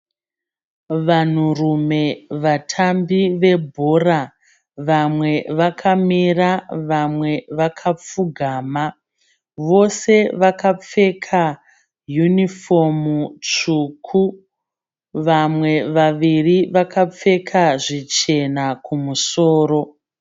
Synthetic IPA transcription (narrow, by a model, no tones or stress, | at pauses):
ʋan̤urume̞ʋatʰambiʋe̞bʱo̞ra | ʋamwe̞ʋakʰamiraʋamwe̞ʋakʰap͡fuɡʱaːma | ʋo̞se̞ʋakap͡fe̞kʰa | junifo̞mut͡ʂukʰu | ʋamwe̞ʋaʋiriʋakʰap͡fe̞kʰaʐit͡ʃe̞nakʰumusoːɾo̞